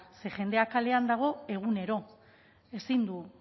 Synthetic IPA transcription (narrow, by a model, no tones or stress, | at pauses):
se̞ʝe̞nd̪e̞akale̞and̪aɣ̞o̞e̞ɣ̞une̞ɾo̞ | e̞sind̪u